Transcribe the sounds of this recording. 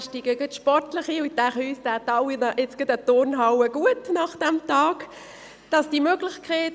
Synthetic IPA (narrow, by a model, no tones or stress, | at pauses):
ʃtiɡəɡətʃpɔrtlɪχiʊdæʁyːsd̥ætɑʊinəʔɪt͡sɡ̥ɪdətoːnɦaʊwəɡ̥uətnɑχd̥ɛmtɑːɡ̥ | d̥ɑsd̥imøːɡlɪçkʰeɪt